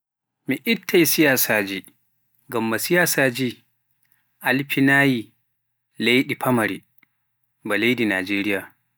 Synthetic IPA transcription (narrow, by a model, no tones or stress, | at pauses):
miʔɪtʰːajsɪjaːsaːd͡ʒi | ɡɐmːasɪjaːsaːd͡ʒiː | ʔalɸinaːji | lajɗipʰɐmɐɾḭ | bɐlajdina̰ːd͡ʒeːɾɪjaː